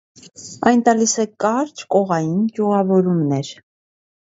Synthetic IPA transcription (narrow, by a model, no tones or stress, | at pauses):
ɑjnt̪ɑlisɛkɑɾt͡ʃʰkɔʁɑjind͡ʒuʁɑvɔɾumnɛɾ